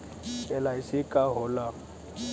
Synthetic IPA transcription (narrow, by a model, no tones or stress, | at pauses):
ɛlaisɪkʼaɦʊla